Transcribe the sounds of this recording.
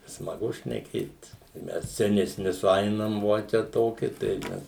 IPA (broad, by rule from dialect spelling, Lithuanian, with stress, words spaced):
smɐˈɡʊ ʃʲnʲɛˈkʲeːt ɪ ˈmʲɛs sʲɛnʲɛˈsʲnʲɪ sʊˈɐɪnɐm ˈʋoː t͡ʃʲɛ ˈtoːkʲɪ tɐɪ ˈmʲɛs